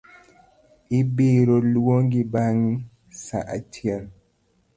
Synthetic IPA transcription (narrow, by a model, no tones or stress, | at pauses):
ʔibeːɾoluwoŋɡibaŋ | sa̰ʔa̰tʰial